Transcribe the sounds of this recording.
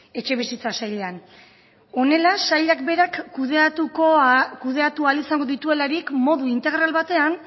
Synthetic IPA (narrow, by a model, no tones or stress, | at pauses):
e̞t͡ʃe̞β̞isit͡sasajʎe̞an | o̞ne̞lasajʎakbe̞ɾakːðt̪ukokuð̞e̞at̪ualisaŋɡo̞ðit̪ue̞laɾikmo̞ðuint̪e̞ɣ̞ɾalβat̪e̞an